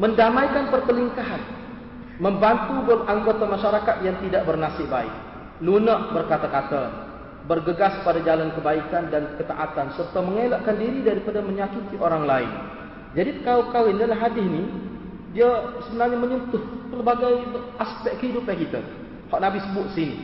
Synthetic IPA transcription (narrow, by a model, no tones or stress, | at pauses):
məndamajkanpərp̪əliŋkaɦan | məmbant̪ubolaŋɡot̪amaʃaɾakat̪̚jaŋt̪idaʔbərnasɪʔbaɪ̰k̚ | lunaʔbərkat̪akat̪a | bərɡəɡaspadad͡ʒalankəbaikandankət̪aʔat̪ansərt̪aməŋelaʔkandiɾidaɾipadaməɲakit̪iʔoɾaŋlaɪ̰n | d͡ʒadipəkapkawɪndalaɦadɪhni | diasəbənarɲaməɲunt̪ʊht̪əlbaɡajaspɛkk̪hidʊp̚ɲakit̪a̰ | haʔnabisəbʊt̪̚sinḭ